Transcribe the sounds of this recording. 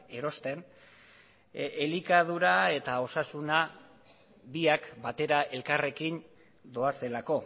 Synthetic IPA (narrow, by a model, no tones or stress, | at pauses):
e̞ɾo̞st̪e̞n | elikað̞uɾae̞t̪ao̞sasuna | βiakbat̪e̞ɾaʔe̞lkare̞kin | d̪o̞ase̞lako̞